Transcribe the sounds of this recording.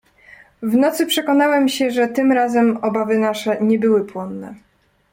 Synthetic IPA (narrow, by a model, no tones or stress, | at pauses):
vnɔt̪sɘpʂɛkɔnawɛmɕɛʐɛt̪ɘmɾazɛmɔbavɘnaʂɛɲɛbɘwɘpwɔnːɛ̰